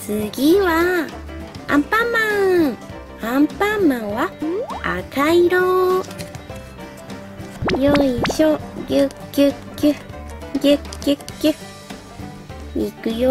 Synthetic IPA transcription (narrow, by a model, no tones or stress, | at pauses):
sɨɡiwa | a̰mpamã | ampamãwaa̰kʰaiɾo | joiʃojɨkɨkɨjekikɨ | ikɨjo